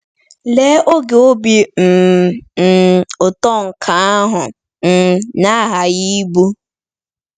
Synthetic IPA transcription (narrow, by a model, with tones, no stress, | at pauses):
le˦o˦ɡe˨o˦bi˦m̩˨ | ʊ˨tɔ˦ŋ̩˨kʰa˨a˦ɦʊ˨ | n̩˨na˦˨ɦa˨ji˦bu˦